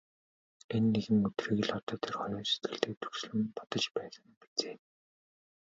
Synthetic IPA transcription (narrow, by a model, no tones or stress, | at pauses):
enːeɣɘ̆ŋɵt̪riːɣɘ̆ɮɔt̪ɔːt̪ʰerχɔjɔːse̥t̪̚ɡɘ̆ɮt̪eːt̪ʰu̥xs̆ɮɘ̆mpɔt̪ɞ̆t͡ɕpæːsə̆ŋpi̥t͡seː